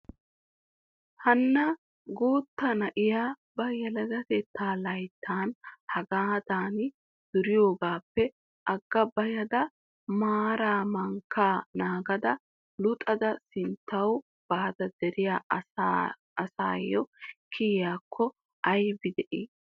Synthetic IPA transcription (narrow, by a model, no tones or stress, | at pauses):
hɐnːɐ | ɡoːt̪ːɐnɐʔɪjaːbɐjɛlɐzɐt̪ɛt̪ːaːlɐjt̪ʰːaːnhɐɡaːd̪aːnɪ | d̪̥ʊɾɪjo̞ːɡaːpːɛ | ʔɐɡːɐbɐjɐd̪ɐ | maːɾaːmɐŋkːaːnaːɡɐd̪ɐ | lʊt̪ʼɐd̪ɐsɪnt̪ːɐw | b̥aːd̪ɐd̪ɛɾɪjaː | ɐsa̰ːjːɔkʰɪjaːkʰːɔ | ɐjbɪd̪ɛʔiː